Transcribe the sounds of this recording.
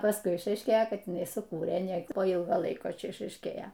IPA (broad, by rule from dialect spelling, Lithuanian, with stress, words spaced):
pɐsˈkʊɪ ɪʃɐɪʃʲˈkʲeːjoː ˈkɐt jɪˈnɐɪ sʊˈkuːrʲeː nʲɛ poː ˈiːlˠɡoː ˈlˠɐɪkoː ˈt͡ʃʲɛ ɪʃɐɪʃʲˈkʲeːjoː